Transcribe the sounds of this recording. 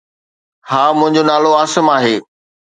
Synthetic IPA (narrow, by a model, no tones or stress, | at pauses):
haːmʊ̃ɦɪ̃ɲd͡ʑonaːloaːsəmaːɦeː